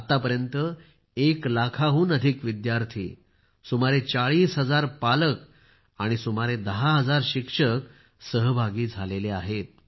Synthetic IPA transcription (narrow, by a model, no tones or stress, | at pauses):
at̪apəɾjənt̪ə | eklakʰaɦuːnəd̪ʱikʋid̪jaɾt̪ʰḭː | sumaɾet͡saɭiːsɦəd͡zaɾpalək | aɽ̃isumaɾed̪əɦaɦəd͡zaɾɕikʂək | səɦbʱaɡiːd͡zʱaleleaɦet̪̚